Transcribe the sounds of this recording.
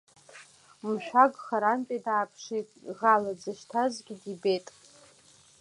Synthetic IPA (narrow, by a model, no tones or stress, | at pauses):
mʃᶣaɡʼχaɾanpʼidaːpʰʂitʼʁalad͡zɨʃtʰazɡʲidibetʼ